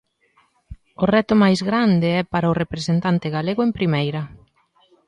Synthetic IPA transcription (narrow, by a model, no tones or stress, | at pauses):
ʊrɛt̪ʊmajzɣɾand̪eɛpaɾaʊrepɾesent̪ant̪eɣaleɣoʊempɾimejɾɐ